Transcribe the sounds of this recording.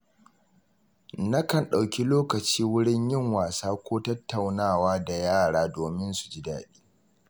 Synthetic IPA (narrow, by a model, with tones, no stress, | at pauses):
nɐ˦kɐ˨nɗa˨wkʲi˦loː˦kɐ˨t͡ʃiː˦wʊ˦ɽɪ˦ɲjɪ˦ŋwaː˨saː˦kʷoː˦tɐ˦tʰːa˨wnaː˦˨waː˦da˨jaː˦˨ɽaː˦doː˨mɪ˦nsu̥˨d͡ʒi˦da̰ː˨ɗiː˦